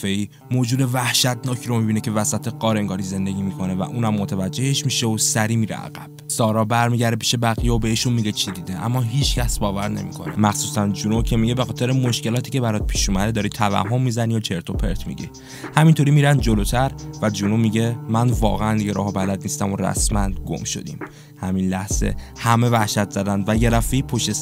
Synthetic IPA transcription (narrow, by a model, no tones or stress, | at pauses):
feiː | moːd͡ʒuːd̪e̞væhʃæt̪ʰnɒːcʰɾomibiːnecʰe̞væsæt̪ʰeɣɒːɾeŋɡɒːɾize̞nd̪e̞ɟʲiːmikʰo̞nevæ̰ʔuːnæmːo̞t̪ʰævæd͡ʒːe̞heʃmiʃeosæɾiːmiːɾḛʔæ̰ɣæb̥sɒːɾɒːbæɾmiːɟæɾd̪epʰi̥ːʃe̞bæɣijeobe̞iʃunmiɟe̞t͡ʃʰid̪iːd̪eʔæ̰mːɒːɦiːt͡ʃʰcʰæsbɒːvæɾne̞̰mḭkʰo̞̰nemæxsuːsænd͡ʒunocʰemiɟebe̞xɒːt̪ʰe̞ɾemo̞ʃce̞lɒːt̪ʰiːcebæɾɒːt̪̚pʰiːʃumæd̪ed̪ɒːɾiːt̪ʰævæ̰hɦːo̞mːiːzænijot͡ʃʰe̞ɾt̪ʰo̞pʰeɾt̪ʰmḭɟḭ | hæmint̪ʰo̞ɾimiːɾænd̪d͡ʒo̞lot̪ʰæɾvæd͡ʒunomiɟe̞mænvɒːɣeænd̪iɡeɾɒ̰ːhɒbælæd̪niːst̪æmoɾæ̰smænɡo̰mʃo̞̰d̪ḭːm | hæminlæhz̥ḛhæme̞væhʃæt̪z̥æd̪ænd̪væjeɾæfeipʰoʃt̪es